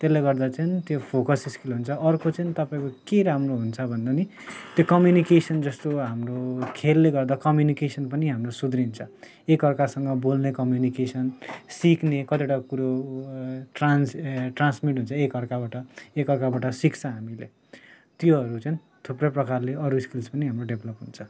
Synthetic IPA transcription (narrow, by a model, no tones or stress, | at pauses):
t̪elːeɡʌrd̪at͡sʌinit̪jopʰokʌsiskilɦunt͡sʰʌʔʌrkot͡sʌinit̪ʌpaĩkokeɾamroɦunt͡sʰʌbʱʌnd̪ani | t̪jokʌmjunikesʌnd͡zʌst̪oɦamrokʰelːeɡʌrd̪akʌmjunikesʌnpʌniɦamrosud̪rint͡sʰʌ | ekʌrkasʌŋɡʌbolnekʌmjunikesʌnsiknekʌt̪iʈakuɾo | ʈranʈransmiʈɦunt͡sʰʌekʌrkabaʈʌekʌrkabaʈʌsikt͡sʰʌ̃ɦamilḛ | t̪jʌɦʌɾut͡san | t̪ʰuprʌprʌkarleʌɾuskilspʌniɦamroɖebʱlʌpɦunt͡sʰʌ